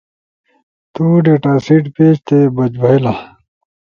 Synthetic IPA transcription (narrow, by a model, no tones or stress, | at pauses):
t̪uːɖeʈaːsiʈpeːɕt̪ebɐd͡ʑbʱɐɦila